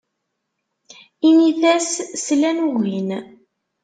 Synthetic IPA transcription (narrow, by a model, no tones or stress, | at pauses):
iniθæsslænuɣin